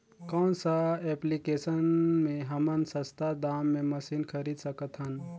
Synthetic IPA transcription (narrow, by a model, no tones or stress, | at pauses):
kɔːnsaɛplikesənmẽɦəmənsəst̪ʰad̪aːmːẽməsiːnkʰəɾid̪səkət̪ɦən